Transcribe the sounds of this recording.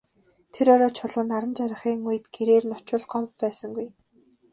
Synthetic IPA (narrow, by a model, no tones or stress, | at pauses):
t̪ʰeɾɔɾɔːt͡ɕʰʊɮʊːnaɾə̆nt͡ɕaɾə̆χiːŋujɘ̆t̪ɡ̥eɾeːrnɔt͡ɕʊ̆ɮɢɔmppæːsə̆ŋɡuj